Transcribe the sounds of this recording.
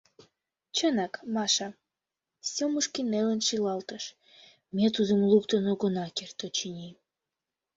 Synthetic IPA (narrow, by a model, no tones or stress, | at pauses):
t͡ɕənɑkmɑʃɑ | sʲomuʃkinːelənʃilɑlt̪əʃ | mʲet̪ud̪əmlukt̪ənoɣonɑkert̪ot͡ɕinʲim